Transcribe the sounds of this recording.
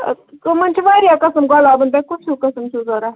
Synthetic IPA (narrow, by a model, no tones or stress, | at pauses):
mɐnt͡ʃʰiʋaːɾijaːkɐsəmɡalaːbənd̪akʊt͡ʃʰuːkɐsəmt͡ʃʰuːzoːɾaː